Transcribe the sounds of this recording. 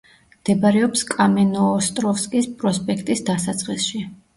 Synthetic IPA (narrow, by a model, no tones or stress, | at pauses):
md̪̥ɛbaɾɛɔpskʼamɛnɔːst̪ʼɾɔfskʼispʼɾɔspʼɛkʰt̪ʼisd̪asat̪sʼχʼisʃi